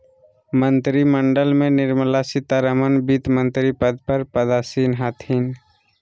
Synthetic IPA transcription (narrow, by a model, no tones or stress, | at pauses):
mə̃nt̪ɾiməɳɖəlmẽnɪɾmlasɪt̪aɾəmənbit̪mə̃nt̪ɾipəd̪̚pəɾpəd̪aːsiːnɦaːt̪ʰiːn